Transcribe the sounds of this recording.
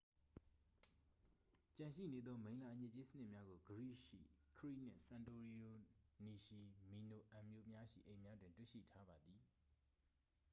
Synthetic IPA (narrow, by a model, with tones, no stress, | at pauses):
t͡ɕã˨nʃḭ˦˨ne˨d̪ðɔ˦mẽ˨ɪ̃la˨ʔəɲɪ˦˨ʔt͡ɕe˦sə̥˦n̥ɪ˦ʔmja˦ɡo˨ɡəɹḭ˦˨ʃḭ˦˨kʰəɹḭ˦˨n̥ɪ̰̃˦˨sã˨nto˨ɹi˨o˨ni˨ʃi˨mi˨no˨ʔã˨mjo˦˨mja˦ʃḭ˦˨ʔẽ˨mja˦dwɪ̃˨ntwḛ˦˨ʃḭ˦˨tʰa˦ba˨d̪i˨